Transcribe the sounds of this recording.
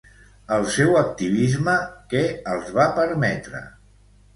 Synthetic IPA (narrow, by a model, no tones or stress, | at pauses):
əlˠsɛwək̚t̪iβizməkɛəlˠzβapəɾmɛt̪ɾə̰